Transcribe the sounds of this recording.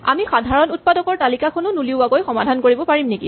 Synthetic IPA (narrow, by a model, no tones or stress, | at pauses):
a̰mixadʱaɹɔnut̚padɔkɔɹtalikakʰɔnʊnuliʊakojxɔmadʱankoɹibɔpaɹimnekḭ